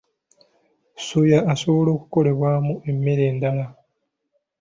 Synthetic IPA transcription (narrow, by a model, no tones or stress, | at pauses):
sujaːso̞βo̞lo̞ːku̥ko̞le̞βwaːmuʔe̞mːe̞ɾe̞ːndala